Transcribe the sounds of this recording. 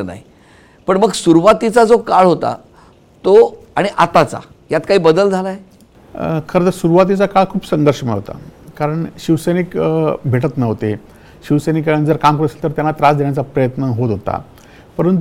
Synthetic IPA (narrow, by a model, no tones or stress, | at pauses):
na̰ɦi | pəɳməɡsuɾuʋat̪it͡sad͡zokaɭɦot̪a̰ | t̪o | aɽ̃iʔat̪at͡sa̰ | jat̪kaɦiːbəd̪əld͡zʱalaje | kʰəɾət̪əɾsuɾuʋat̪̬it͡sakaɭkʰuːpsəŋɡəɾʂəmeɭɦo̰t̪a̰kaɾəɳɕiʋsenikbʱeʈ̬ət̪nəɦot̪e | ɕiʋsenikːaɾənd͡zəɾkamkɾəslt̪əɾt̪janːat̪ɾasd̪eɳ̃jat͡sapɾəjət̪nəɦot̪ɦot̪a̰ | pəɾənt̪u